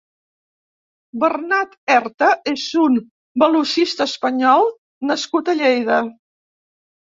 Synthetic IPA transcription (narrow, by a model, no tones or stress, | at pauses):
bərnat̪ɛɾt̪əezun | bəluʃist̪əːspəɲɔlˠ | nəskut̪əʎejðə